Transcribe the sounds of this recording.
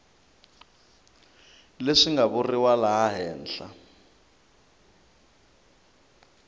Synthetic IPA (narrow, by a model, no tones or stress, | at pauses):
leʂiŋɡaβuriwalaɦaɦɛːnɬa̰